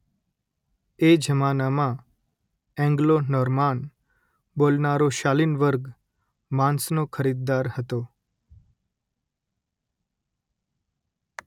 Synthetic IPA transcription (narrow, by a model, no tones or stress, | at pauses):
ed͡ʒəmanamã | ɛ̃ŋɡlonɔɾman | bolnaɾoʃalinʋəɾɡ | mãnsnokʰəɾid̪ːaɾhət̪o